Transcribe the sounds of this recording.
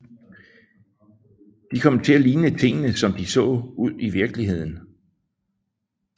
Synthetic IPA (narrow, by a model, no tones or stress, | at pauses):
d̥ikʰɒ̽m̰t͡sʰe̝æliːnət͡sʰe̝ŋ̰nəsɒ̽md̥isɔ̰̽ːuð̞̰ˠiʋiɐɡ̥liɦe̝ð̞̰ˠn̩